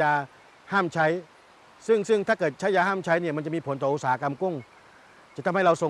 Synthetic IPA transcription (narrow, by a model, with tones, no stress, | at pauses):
aː˧ | haː˥˩mt͡ɕʰa˦˥j | sɯ˥˩ŋsɯ˥˩ŋt̪ʰaː˥˩kɤː˨˩t̪̚t͡ɕʰa˦˥jːaː˧haː˥˩mt͡ɕʰa˦˥jniː˥˩ma˧nt͡ɕa˨˩miː˧pʰo˩˦nt̪ɔː˨˩ʔu˧˥saː˨˩˦a˦˥ka˧mku˥˩ŋ | t͡ɕa˨˩t̪ʰa˧mha˥˩jɾa˧wso˨˩